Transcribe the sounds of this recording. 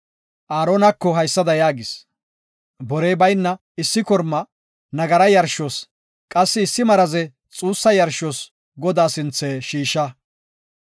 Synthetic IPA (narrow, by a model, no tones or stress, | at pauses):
ʔaːɾoːnɐkːɔɦɐjsːɐd̪ɐjaːɡɪs | bɔɾɛjbɐjnːɐ | ɪsːɪkɔɾmːɐ | nɐɡɐɾɐjɐɾʃɔs | kʼɐsːɪːsːɪmɐɾɐzɛ | t͡sʼuːsːɐjɐɾʃɔs | ɡɔd̪aːsɪnt͡sːeːʃiːʃːɐ